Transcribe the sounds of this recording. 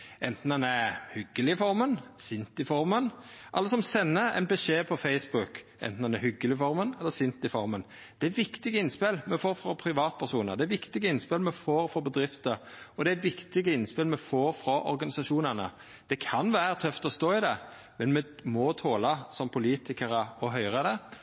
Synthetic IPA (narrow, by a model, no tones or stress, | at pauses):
ʔɛnt̪n̩d̪ɛnæhʏɡːəlɪfɔɾmənsɪnt̪ɪfɔɾmənʔɑ̰lːəsɔmsɛnːəæ̰ɪnbɛʂeːpʰɔfɛɪsbʊkʔɛ̰nt̪n̩ɛnæhʏɡːəlɪfɔɾmənɛlːəsʏnt̪ɪfɔɾmən | d̪̥ɛæʋɪkt̪ɪɡəɪnspɪlmɛfoːɾfɾɔpʰɾɪʋɑːt̪̚pʰæʁsuːnəʁd̪ɛæʋɪkt̪ɪɡəɪnspɪlmɛfoːɾfɾɔbəd̪ɾɪft̪əɔd̪ɛæt̪ʋɪkt̪ɪɡəɪnspɪlmɛfoːɾfɾɔʔɔ̰ɾɡɑnɪsɑʂuːnənə̰ | d̪̥ɛkʰɑnʋæːɾət̪ʰœft̪ɔst̪oːɪd̪ɛ | mɛnmɛmɔt̪ʰoːlɑsɔmpʰʊliːt̪ɪkəɾəɔɦœʏɾəd̪ɛ